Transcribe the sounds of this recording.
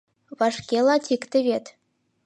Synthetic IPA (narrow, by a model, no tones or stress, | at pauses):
vaʂkʲelˠatʰikʼt̪ʰɨvʲet̪ʰ